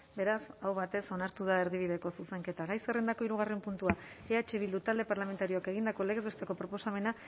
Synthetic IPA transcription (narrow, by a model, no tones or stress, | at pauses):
be̞ɾasawβat̪e̞so̞naɾt̪uð̞ae̞ɾðiβ̞iðe̞ko̞suse̞ŋke̞t̪aɣajserend̪ako̞iɾuɣ̞are̞mpunt̪uaeat͡ʃeβild̪ut̪ald̪e̞paɾlame̞nt̪aɾioake̞ɣ̞ind̪ako̞leɣezest̪eko̞pɾo̞po̞same̞na